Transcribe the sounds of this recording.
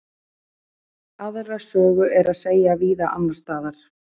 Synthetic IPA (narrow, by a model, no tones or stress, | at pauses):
aðrasœːɣʏʔɛɾaðseːjaviːðaʔa̰nːaɾ̥st̪aːðaɾ̥